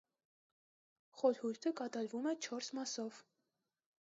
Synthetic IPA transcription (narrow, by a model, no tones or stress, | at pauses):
χɔɾhuɾt̪ʰəkɑt̪ɑɾvumɛt͡ʃʰɔɾsmɑsɔv̥